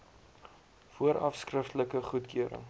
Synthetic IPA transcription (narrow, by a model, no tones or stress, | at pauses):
fuəɾɐfskrəftələkəχutkʰyəɾə̰ŋ